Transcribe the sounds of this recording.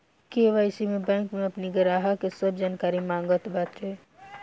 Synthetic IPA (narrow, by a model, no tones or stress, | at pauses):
keʋaɪsimẽbɛ̃ːŋkmẽɐpniɡəɾaːɦakesəbʱd͡ʒaːnkaːɾimãːŋɡət̪baːt̪t͡ʃe